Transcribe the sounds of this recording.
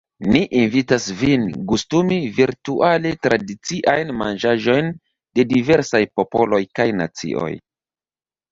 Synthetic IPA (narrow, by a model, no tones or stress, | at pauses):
niʔinvitasvinkustumiviɾtuʔale̞tɾadit͡siʔajnmand͡ʒaʒo̞jn | de̞dive̞ɾsajpo̞po̞lo̞jkajna̰t͡sḭʔo̰j